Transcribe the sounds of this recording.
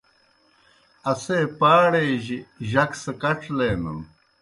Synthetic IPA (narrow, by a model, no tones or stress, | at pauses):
ɐseːpaːɽeːʑiʑɐksekɐʈ͡ʂleːnṵn